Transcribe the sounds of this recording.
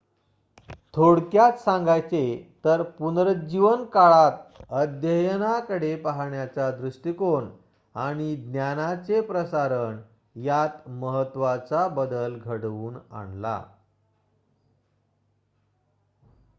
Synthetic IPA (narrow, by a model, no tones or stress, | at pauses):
t̪ʰoɽkjat͡ssãŋɡajt͡set̪əɾpunɾəd͡ʑiʋənkaɭat̪əd̪jəjnakəɽepaɦaɳjat͡sad̪ɾuʂʈikon | aɽ̃id̪njanat͡sepɾəsaɾən | jat̪məɦət̪ːʋat͡sabəd̪əlɡʱəɽʋuːna̰ɳla̰